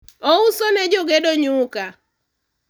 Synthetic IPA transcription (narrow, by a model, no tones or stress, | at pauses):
ousonɛd͡ʒoɡedoɲʊka